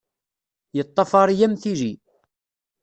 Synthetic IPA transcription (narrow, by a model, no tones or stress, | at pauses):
jət̪ˤːɑfɑɾˤjæmθiɾi